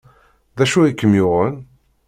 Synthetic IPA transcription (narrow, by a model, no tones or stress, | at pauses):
ðæʃuikːəmjʊʁəl